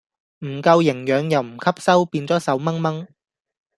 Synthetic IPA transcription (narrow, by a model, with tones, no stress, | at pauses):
m̩˨˩kɐ˧wjɪ˨˩ŋjœː˨˧ŋjɐ˨˩wm̩˨˩kʰɐ˥p̚sɐ˥wpiː˧nt͡sɔː˨˥sɐ˨˥wmɐ˥ŋmɐ˥ŋ